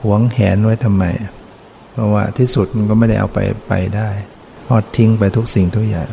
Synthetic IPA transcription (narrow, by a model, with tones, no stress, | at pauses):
hu˩˦əŋhɛ̰ː˩˦ndu˥˩əjt̪ʰa˧mːa̰˧j | pʰɔ˧˩wa̰ː˧˥˩t̪ʰiː˥˩su˨˩t̪̚ma˧nkɔ˥˩ma˥˩jda˥˩jʔa̰˧wpa̰˧jpa̰˧jdaː˥˩j | pʰɔː˥˩t̪ʰːi˧ŋpa˧jt̪ʰu˦˥k̚si˨˩ŋt̪ʰu˥˩əja̰ː˨˩ŋ